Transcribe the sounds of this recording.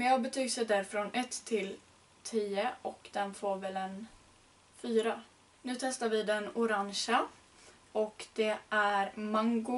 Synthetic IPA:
mabɛt̪ʰyːɡsɛjd̪æːɾfɾɔnɛt̪ʰːɪl | t̪ʰiːəɔkd̪̥ɛnfoːɾvɛlɛn | fyːɾa | nʉ̟ːt̪ʰɛst̪aɾvɪd̪ɛnʊɾaŋʂa | ɔkd̪̥ɛʔæɾmaŋɡʊ

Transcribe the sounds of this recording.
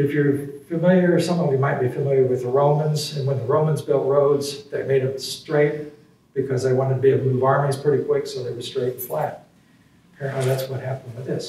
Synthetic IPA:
ɨfjə˞fɨmɪlˠjə˞sʌ̃mθɪ̃ŋjɨmaɪt̚b̥ifɨmɪlˠjə˞wɨðəɹõʊ̃mə̃nzɨ̃nwə̃nðəɹõʊ̃mə̃nzbɛlˠʔ̚ɹoʊdzðɨt̚meɪɾɨ̃mstɹ̥eɪt̚ | b̥ɨkʰʌzðeɪwɑ̃ɾ̃ɨd̚tʰɨbiɨbluvɑɹmiz̥pʰɹ̥ɪɾikʰw̥ɪksoʊðeɪwəz̥stɹ̥eɪtn̩flæt̚ | pʰɛɹɨ̃nʔˡliðætswʌt̚hæpñwɨðɪs

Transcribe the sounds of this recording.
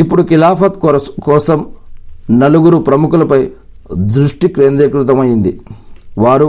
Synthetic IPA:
ipːuɽukilaːpʰɐt̪kkɔːsɐm | nɐluɡuɾupɾɐmukulɐpɐj | d̪ɾuʂʈikɾeːnd̪ɾekɾut̪̬ɐmɐjind̪iʋaːɾu

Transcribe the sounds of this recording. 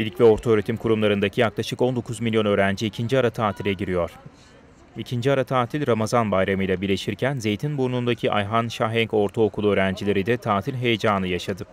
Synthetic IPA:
ilʲcvɛo̞ɾt̪ʰaøːɾet̪ʰimkʰuɾumlˠaɾɯnd̪acʰijaklˠaʃɯko̞nd̪o̞kʰuzmilʲjo̞nø̞ːɾænd͡ʒiːcʰind͡ʒiaɾat̪ʰaːt̪ʰilʲɛɟiɾijo̞ɾ̥ | icʰind͡ʒiaɾat̪ʰaːt̪ʰilʲɾamazanbajɾamɯjlʲˠabiɾlʲeʃiɾcʰænze̞jt̪ʰinbuɾnund̪acʰiʔa̰jɦanʃaɦɛŋko̞ɾt̪ʰaokʰulˠuøːɾænd͡ʒilʲe̞ɾid̪ɛt̪ʰaːt̪ʰilʲɦe̞jed͡ʒaːnɯjaʃad̪ɯ

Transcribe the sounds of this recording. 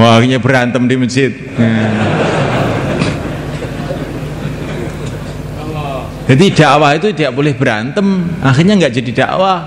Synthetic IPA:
wakiɲabəɾant̪əmdiməd͡ʒɪt̪̚a | d͡ʒ̥ad̪id̥aʔwahit̪udiaʔbolɛhbəɾant̪əmʔaxirɲaŋɡaʔd͡ʒadid̥a̰ʔwah

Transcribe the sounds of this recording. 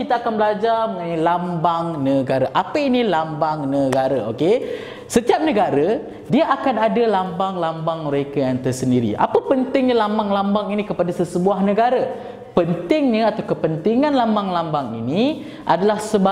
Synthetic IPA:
it̪aakanbəlad͡ʒarməŋanalambaŋnəɡaɾaʔapəinilambaŋnəɡaɾao̰ke | sət̪iap̚nəɡaɾə | diaʔakanadalambaŋlambaŋməɾekajaŋt̪ərsəndiɾḭʔa̰pəpənt̪ɪŋɲəlambaŋlambaŋinikəpadasəsəbuahnəɡaɾə | pənt̪ɪŋɲəat̪awkəpənt̪iŋãnlambaŋlambaŋḭni | ʔadalahsəba

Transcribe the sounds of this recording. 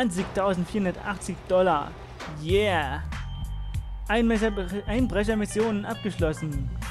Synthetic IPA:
ant͡sɪçtʰaʊzn̩tfiːɐhʊndɐtʔaχt͡sɪçd̥ɔlɐ | jɛː | ʔaɪnʔaɪnbʁɛç̬ɐmɪsjoːnənʔap̚ɡ̥əʃlɔsn̩

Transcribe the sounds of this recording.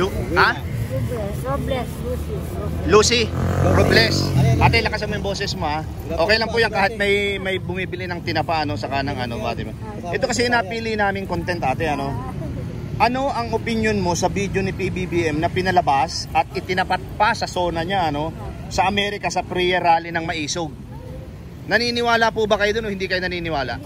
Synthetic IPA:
ha | bɛsoblɛslusi | luːsiɾoblɛsʔaːt̪ɛjlɐkɐsɐmɐbo̞ːsɛsmo̞ha | ʔo̞ːkɛjlɐŋpuʔjɐŋkaːhɪt̪̚mɐjmɐjbʊmiːbɪlɪnɐŋt̪ɪnɐpaʔɐno̞sɐkaːnɐŋɐno̞ba̰ːt̪ɪmo | ʔɛt̪o̞kɐs̬ɛʔɪnaːpiːlɪnaːmɪŋkont̪ɛnt̪ʔaːt̪ɛʔɐno̞ | ʔɐno̞ʔɐŋʔopɪnjo̞nmo̞sɐbid̪jonɪpibibiʔɛmnɐpɪnɐlɐbasʔɐt̪̚ʔɪt̪ɪnɐpat̪̚pɐsɐso̞ːnɐɲaʔɐno̞ | sɐʔɐmɛːɾɪkɐsɐpɾijɐɾaːlɪnɐŋmɐʔiːsoɡ̚ | nɐniːnɪwaːlɐpubɐkɐjod̪oohɪnd̪ikɐjonɐniːnɪwaːlɐʔ

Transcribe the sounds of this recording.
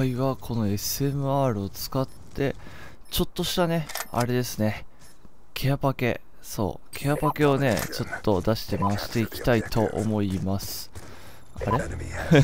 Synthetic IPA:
aiβakʰo̞no̞e̞sɨe̞mɯ̟aːɾɯ̟o̞t͡sɨ̥kat̪ʰːe̞ | t͡ɕo̞t̪ːo̞ɕi̥t̪ane̞a̰ɾe̞d̪e̞sɨne̞ | kʰe̞japake̞̰ | so̞̰ː | kʰe̞apake̞o̞ne̞̰t͡ɕo̞t̪ːo̞d̪aɕi̥t̪e̞maaɕi̥t̪e̞ikʲi̥t̪ait̪o̞ʔo̰mo̞imasɨ̥ | a̰ɾe̞

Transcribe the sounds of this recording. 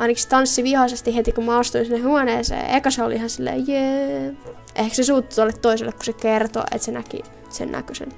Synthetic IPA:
ɑinɑki̥st̪ɑnsːiʋihɑsest̪ihet̪ikummɑost̪uinsnːehhuɑneːsḛːḛkɑseoliihɑnsilːḛːjeː | ʔehksesuːt̪ːu̥t̪olːet̪t̪oiselːekku̥sekert̪o̰ʔḛt̪senækḭ | sḛnnæ̰køsḛn

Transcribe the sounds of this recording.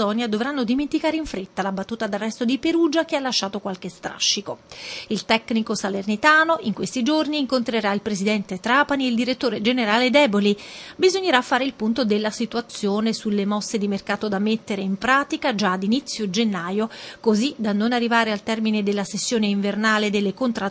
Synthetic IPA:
ɔnjad̪ovɾanːod̪iment̪ikaːɾeiɱfɾet̪ːalabat̪ːuːt̪ad̪arːɛst̪od̪ipeɾuːd͡ʒak̟ealːaʃːaːt̪okwalk̟est̪ɾa̰ʃːikoilt̪ɛkːnikosalernit̪aːnoʔiŋkwest̪id͡ʒorniːŋkont̪ɾeɾailpɾezid̪ɛnt̪et̪ɾaːpaniild̪iɾet̪ːoːɾed͡ʒeneɾaːled̪ɛːbolibizoɲːeɾafːaːɾeilpunt̪od̪elːasit̪uat̪sːjoːnesulːemɔsːed̪imerkaːt̪od̪amet̪ːeɾeimpɾaːt̪ikad͡ʒaːd̪init̪sːjod͡ʒenːaːjokozid̪anːonarːivaːɾealt̪ɛrmined̪elːasesːjoːneiɱvernaːled̪elːekont̪ɾa

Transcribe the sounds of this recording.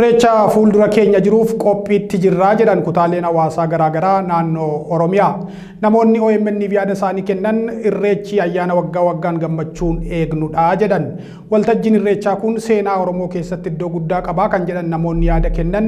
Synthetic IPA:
ɪrːe̞ːt͡ʃːaːfuːld̪ʊɾɐke̞ːɲːɐd͡ʒɪɾuːfkʼɔpʼːiːt̪ːɪd͡ʒɪrːaːd͡ʒɛᶑɐnkʊt̪aːle̞ːnɐwaːsaːɡɐɾaːɡɐɾaːnaːnːoːɾɔmɪjaː | nɐmo̞ːnːɪɔɛmːɛnːiːfjaːd̪ɐsaːniːkɛnːɐnɪrːe̞ːt͡ʃːiːɐjːaːnɐwɐɡːaːwɐɡːaːnɡɐmːɐt͡ʃːuːne̞ːɡnʊᶑaːd͡ʒɛᶑɐn | wɐlt̪ɐd͡ʒːɪnɪrːeːt͡ʃːaːkʊnse̞ːnaːɔɾɔmo̞ːke̞ːsːɐt̪ːɪɪd̪ːo̞ːɡʊd̪ːaːkʼɐbaːkɐnd͡ʒɛᶑɐnːɐmo̞ːnːɪjaːd̪ɐkɛnːɐn

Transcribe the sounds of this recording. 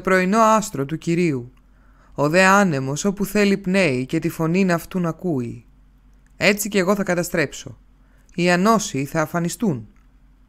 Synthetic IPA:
pɾo̞ino̞ɐst̪ɾo̞t̪uciɾiu | oðe̞ɐne̞mo̞so̞puθe̞lipne̞ice̞t̪ifo̞ninɐft̪unɐkui | e̞t͡sice̞ɣo̞θɐkɐt̪ɐst̪ɾe̞pso̞ | iɐno̞siθɐːfɐnist̪un

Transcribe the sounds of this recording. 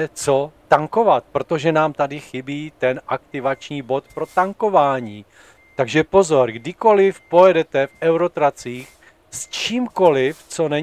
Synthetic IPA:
ɛt͡sot̪aŋko̞vat̪̚pɾo̞t̪o̞ʒɛnaːmt̪adɪxɪbiːt̪ɛnʔakt̪ɪvat͡ʃɲiːbo̞t̪pɾo̞t̪aŋko̞vaːɲiː | t̪aɡʒɛpo̞zo̞ɾɡdɪko̞lɪfpo̞jɛdɛt̪ɛfʔɛwɾo̞t̪ɾat͡siːx | st͡ʃiːmko̞lɪft͡so̞nɛ

